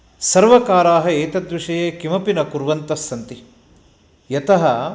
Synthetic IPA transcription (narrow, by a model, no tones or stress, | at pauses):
sɐɾʋɐkaːɾaːɦɐeːt̪ɐd̪ʋiʂɐjeːkimɐpinɐkuɾʋɐnt̪ɐsːɐnt̪i | jɐt̪ɐɦɐ